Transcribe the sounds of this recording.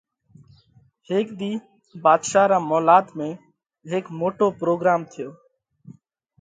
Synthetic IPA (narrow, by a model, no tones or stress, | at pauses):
ɦeːkd̪iː | baːd̪ʃaːɾaːmɔːlaːt̪mẽː | ɦeːkmoːʈoːpɾoːɡɾaːmt̪ʰɪjoː